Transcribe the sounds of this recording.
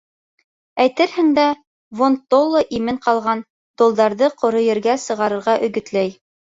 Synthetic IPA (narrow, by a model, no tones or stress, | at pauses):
æjt̪ɘɾhɘŋd̪æ | vont̪olˠːoʔimɘɴqɑlˠʁɑn | t̪ŏlˠd̪ɑɾðɤqŏɾɤ̆jɘ̆ɾɡæsɤ̆ʁɑɾɤ̆ɾʁɑʔɵ̆ɡɵ̆t̪læj